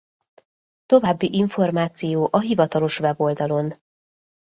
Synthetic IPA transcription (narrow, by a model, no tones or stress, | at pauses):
t̪o̞vaːbːiʔiɱfo̞rmaːt̪sijoːʔɒɦivɒt̪ɒlo̞ʃʋɛbo̞ld̪ɒlo̞n